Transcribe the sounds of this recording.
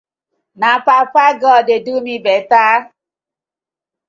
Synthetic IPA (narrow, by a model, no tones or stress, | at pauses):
napapaɡɔdedumibɛtaː